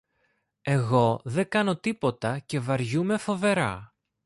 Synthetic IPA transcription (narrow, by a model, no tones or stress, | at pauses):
e̞ɣo̞ðe̞ɡɐno̞t̪ipo̞t̪ɐce̞vɐɾʝume̞fo̞ve̞ɾɐ̰